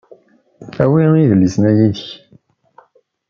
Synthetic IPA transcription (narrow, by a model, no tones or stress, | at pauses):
æwĩiðəlːisnæjiç